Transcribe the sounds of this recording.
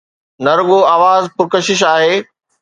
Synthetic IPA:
nɐɾʊɠoaːʋaːzpʊɾkɐʃɪʃ̬aːɦeː

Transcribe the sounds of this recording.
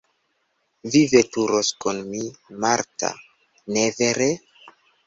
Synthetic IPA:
vivetuɾoskunmimaɾta̰ | neveɾe

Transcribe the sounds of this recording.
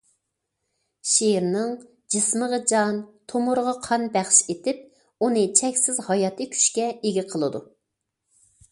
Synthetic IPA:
ʃeɾnɨŋ | d͡ʒɨsməʁəd͡ʒɑnt̪ʰomʊɾʁɑqʰɑnbæχʃet̪ɪp̚ | unɨt͡ʃʰɛkʲsɪzhɑjɑt̪ʰɨkʲʰy̥ʃkʲɛeɡʲiɪqʰəlˠɨd̪u

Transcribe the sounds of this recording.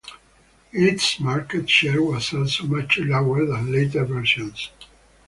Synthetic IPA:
ɪtsmaɹkətʃɛɹwɔzɔlsomʌt͡ʃɨlawə˞ðæ̃nletə˞vɛɹʃə̃ns

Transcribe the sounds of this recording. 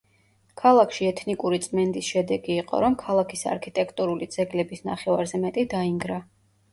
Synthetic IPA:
kʰalˠakʰʃiɛt̪ʰnikʼuɾit̪sʼmɛnd̪isʃɛd̪ɛɡiːqʼɔ̰ɾɔmkʰalˠakʰisa̰ɾkʰit̪ʼɛkʰt̪ʼuɾulid̪z̥ɛɡlɛbisna̰χɛva̰ɾzɛmɛt̪ʼid̪aiŋɡɾa

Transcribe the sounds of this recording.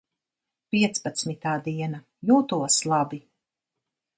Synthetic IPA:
pʲiɛt̪spat̪smit̪aːd̪iɛna | juːt̪uɔslˠabi

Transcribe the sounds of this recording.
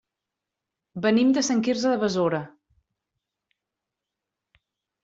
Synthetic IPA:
bənimd̪əsəŋkirzəðəβəzoɾə

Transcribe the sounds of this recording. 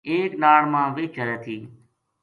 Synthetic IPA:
eːknaːɽmãːʋɪːt͡ʃʰəɾɛːt̪ʰiː

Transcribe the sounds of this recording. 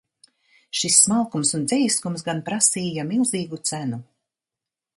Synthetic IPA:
ʃisːmalˠkumsund̪zɛjskums̬ɡanpɾasiːjamilˠziːɡut̪sænu

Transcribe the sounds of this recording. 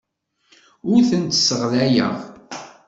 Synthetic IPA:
ʊɾθənt̪sːəʁlæjæ̰ʁ

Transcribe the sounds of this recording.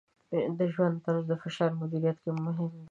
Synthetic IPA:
d̪əʒwand̪t̪aɾazd̪əfɪʃɑɾmʊd̪iɾijat̪kemʊɦɪm

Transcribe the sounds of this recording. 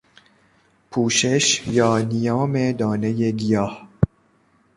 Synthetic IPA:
pʰuːʃeʃjɒːnijɒːmed̪ɒːnejeɡijɒːh

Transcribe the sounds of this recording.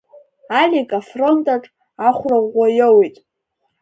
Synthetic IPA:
alʲikʼafro̞ntʼaʈ͡ʂʼ | aχʷraʁʷajowitʼ

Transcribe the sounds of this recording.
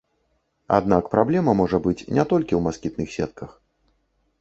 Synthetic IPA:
a̰d̪nakpɾablʲɛmɐmɔʐɐbɨt͡sʲnʲɛt̪ɔlʲkʲiwmaskʲit̪̚nɨxsʲɛ̰t̪̚kʰɐx

